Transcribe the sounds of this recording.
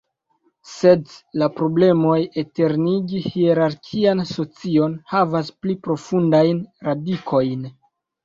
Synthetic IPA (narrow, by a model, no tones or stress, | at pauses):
se̞dlapɾo̞ble̞mo̞je̞te̞ɾniɡihieɾaɾkʲʰianso̞t͡sio̞nhavasplipɾo̞fundajnɾadikʰo̞jn